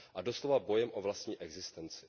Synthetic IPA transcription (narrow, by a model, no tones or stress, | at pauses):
ʔado̞slovabojɛmʔovlast̪ɲiːʔɛɡzɪst̪ɛnt͡sɪ̥